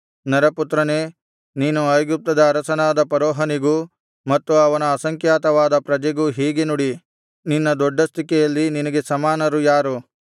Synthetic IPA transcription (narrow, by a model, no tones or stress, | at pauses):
nɐɾɐput̪ɾɐne̞ː | niːnuɐjɡup̚t̪ɐd̪ɐːɾɐsɐnaːd̪ɐpɐɾɔːɦɐniɡu | mɐt̪ːuɐʋɐnɐːsɐŋkjaːt̪ɐʋaːd̪ɐpɾɐd͡ʒɛɡuɦiːɡenuɽi | ninːɐd̪ɔɖːɐst̪ikɛjɐlːininɐɡe̞sɐmaːnɐɾujaːɾu